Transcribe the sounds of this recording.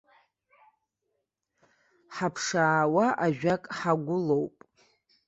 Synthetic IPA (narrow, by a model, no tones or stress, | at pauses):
ħapʰʂaːwaʔaʒᶣakʼħaɡʷʊlowpʼ